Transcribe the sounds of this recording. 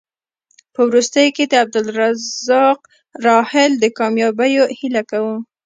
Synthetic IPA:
pəwɾust̪əjoked̪əab̚d̪ʊlɾazɑq | ɾɑhɪld̪əkɑmjɑbəjohilakawu

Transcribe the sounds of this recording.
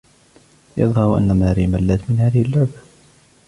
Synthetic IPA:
jɑ̰ðˤhɑɾʔa̰nːamaːɾiːmalːat̪mɪnhaːðɪhɪlːʊʕba

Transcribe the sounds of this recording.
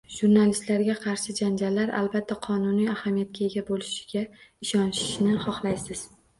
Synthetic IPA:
ʒ̥uɾnalist̪laɾɡʲaqʰɑɾʃɪd͡ʒand͡ʒalːaɾa̰lbat̪ʰːaqʰɒnʊnijahamijat̪̚kʲaeɡʲabolɪʃɪ̥ɡʲaɪʃɒnʃɪ̥ʃnɪχɒχlˠajsɪz̥

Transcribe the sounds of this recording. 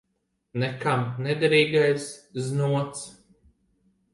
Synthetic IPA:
nɛkamnɛd̪ɾiːɡajsznuɔt̪s

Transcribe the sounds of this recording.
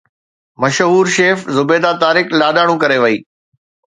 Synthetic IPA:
mɐʃɦuːɾʃeːfzʊbeːd̪at̪aːɾɪklaːɗaːɽ̃ũkɐɾeʋɐiː

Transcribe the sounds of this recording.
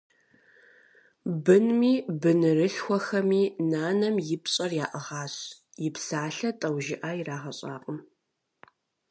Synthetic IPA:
bɨnmiːbɨnɨrɨɬxʷɔxɐmiːnaːnɐmjɪpɕʼɐrjaːʔɐʁɑːɕ | jɪpsaːɬɐtʼɐwʒɪʔaːjiraːʁɐɕʼa̰ːqʼəm

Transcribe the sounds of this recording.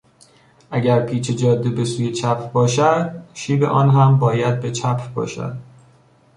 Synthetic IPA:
ʔæɟæɾpʰiːt͡ʃʰed͡ʒɒːd̪ːibesuːjet͡ʃʰæpʰbɒːʃæd̪ʃiːbe̞̰ʔɒːnɦæmbɒːjæd̪̚be̞t͡ʃʰæpʰbɒ̰ːʃæ̰d̪̥

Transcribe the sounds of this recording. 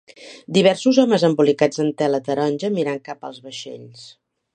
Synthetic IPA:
d̪iβ̞ɛɾsuzɔməzəmbulikad͡zənt̪ɛlət̪əɾɔnʲd͡ʒəmiɾaŋkapəlˠzβəʃḛʎs

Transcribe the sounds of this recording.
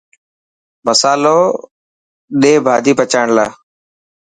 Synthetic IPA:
məsaːloː | ɗeːbʱaːd̪ʱiːpət͡ʃaːɳlaː

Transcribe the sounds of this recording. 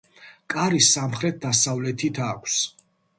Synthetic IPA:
kʼaɾisamχɾɛt̪̚d̪asavlɛt̪ʰit̪ʰakʷʰs

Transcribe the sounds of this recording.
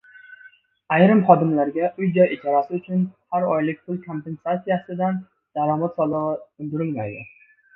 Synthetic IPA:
ajɾɪmχɒd̪ɪmlaɾɡʲaʔʊjd͡ʒɒjed͡ʒʰɒɾasɪʊt͡ʃʰʊnhaɾɒjlɪk̚ʲpʰʊlˠkʰo̞mpe̞nsatsijasɪd̪an | d̪̥aɾɒmat̪sɒlˠɨʁɨʊnd̪ʊɾɪlma̰jd̪ɪ̰

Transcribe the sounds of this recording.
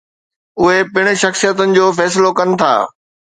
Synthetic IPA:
ʊɦepɪɽ̃ɪ̆ʃɐxsijət̪ənɪ̆d͡ʑoːfɛːs̬ɪlokɐnɪ̆t̪ʰa̰ː

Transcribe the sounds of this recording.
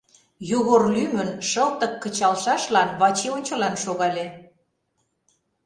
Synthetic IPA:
juɣorlymənʃəlt̪ə̆kːə̆t͡ɕɑlʃɑʃlɑnβɑt͡ɕeonʲt͡ɕə̆lɑnʃoɣɑlʲe

